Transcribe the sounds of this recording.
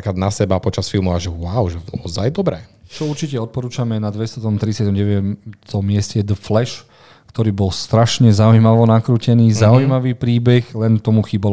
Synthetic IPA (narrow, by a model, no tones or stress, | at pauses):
akɾad̪nasɛbapɔt͡ʃasfilmuaʒɛwʊaʊʒɛɔzajd̪ɔbɾɛt͡ʃɔuɾt͡ʃicɛɔt̪̚pɔɾuːt͡ʃamɛnad̪ʋɛst̪ɔt̪ɔmt̪ɾisɪjat̪ɔmɟɛʋɛt͡s̪ɔmːɪɛscɛd̪əflɛʃ | kt̪ɔɾiːbɔlst̪ɾaʃɲɛzaujmaʋɔnakɾuːcɛniːzaujmaʋiːpɾiːbɛxlɛnt̪ɔmuxiːbal